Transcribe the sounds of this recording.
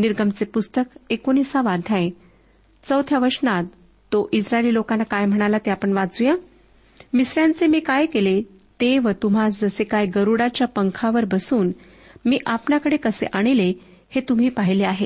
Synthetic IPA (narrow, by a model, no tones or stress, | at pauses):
niɾɡəmt͡sepust̪əkekonisaʋad̪ʱãẽ | t͡səwt̪ʰjaʋəɾʂnat̪ː | oʔid͡zɾaeliːlokanːakajm̤əɽ̃alat̪eapəɳʋad͡zuja | misɾjãnt͡semiːkajkele | t̪eʋət̪um̤asd͡zəsekajɡəɾuɽat͡ɕjapəŋkʰaʋəɾbəsuːn | miːʔapɳjakəɽekəsḛʔaɽ̃ile | het̪um̤iːpaɦileaɦe